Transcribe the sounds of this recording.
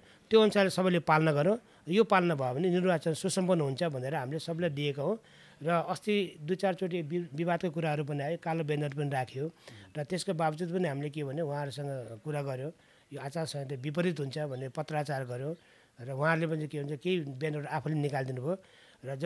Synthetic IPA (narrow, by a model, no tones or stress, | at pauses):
t̪joːnsʰalesʌbʌjlepalnʌɡʌɾõ | jopalnʌbʱʌebʱʌnenirbat͡sʌnsusʌmpʌnːɦunt͡sʰʌbʱʌneɾʌɦamilesʌbʌlajd̪iekaɦõ | rʌʌst̪id̪ujt͡sart͡soʈ̬ibibad̪̚kokuɾaɦʌɾup̬ʌniajokalobenʌɾpʌnirakʰjorʌt̪eskobabʌt͡sit̪̚pʌniɦamilekebʱʌnjewũɦãʌɾusʌŋɡʌkuɾaɡʌɾjõ | joat͡sarsʌŋɡʌt̪ebipʌɾit̪ɦunt͡sʰʌbʱʌneɾʌpʌt̪rat͡sarɡʌɾjõ | rʌwɦãɾlepʌnikeɦunt͡sʰʌkeibjenʌɾapʰulenikald̪inubʱʌo | rʌd͡z